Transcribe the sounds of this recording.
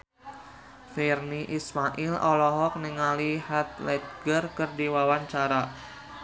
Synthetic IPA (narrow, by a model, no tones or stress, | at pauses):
ferniʔismaʔilʔɔlɔɦɔk̚niŋalihat̪̚lɛd̪̚ɡərkərdiwawaɲt͡ʃaɾa